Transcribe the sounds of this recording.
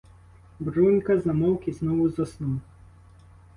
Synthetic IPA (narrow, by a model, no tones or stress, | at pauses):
bɾunʲkɐzɐmɔwkʲiznɔʋʊzɔsnuw